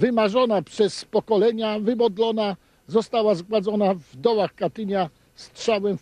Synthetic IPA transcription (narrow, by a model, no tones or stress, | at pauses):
vɘmaʐɔnapʂɛspɔkɔlɛɲavɘbɔd̪lɔna | zɔst̪awazɡwad̪zɔnavd̪ɔwaxkat̪ɘɲa | stʂawɛm